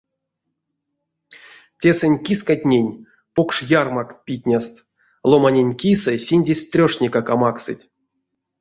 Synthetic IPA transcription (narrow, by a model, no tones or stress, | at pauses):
tʲe̞sɨnʲkʲiskatʲnʲenʲ | pokʂjarmakpʲit̚ʲnʲast̪ | lˠomanʲenʲkʲisɨsʲinʲdʲesʲt̪rʲoʂnʲekakamaksɨ̰tʲ